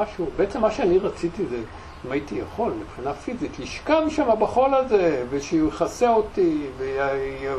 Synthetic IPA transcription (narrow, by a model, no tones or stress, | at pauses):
aʃubeet͡semːaʃeaniʁat͡sit̪ize | imait̪ijaχo̞lmipχinafizit̪liʃkamʃamabaχolazeveʃeuχaseot̪ive